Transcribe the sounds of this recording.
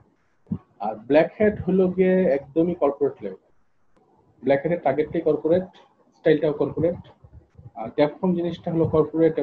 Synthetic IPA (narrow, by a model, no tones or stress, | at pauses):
aɾblɛkheʈɦoloɡieɛkd̪omikɔɾpoɾeʈle | blɛkɦɛʈeɾʈːaɾɡeʈːejkɔɾpoɾeʈ | sʈajlʈaokɔɾpoɾeʈ | aɾt̪ɛpfʰɔmd͡ʑiniʃʈaɦolokɔɾpoɾeʈ